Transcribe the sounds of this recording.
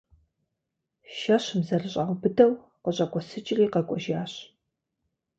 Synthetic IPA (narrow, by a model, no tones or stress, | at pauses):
ʃɐɕmzɐrɨɕʼaʁʷbɨdɐw | qəɕʼɐkʷʼɔsɨt͡ʃʼɪriːqɐkʷʼɔʒaːɕ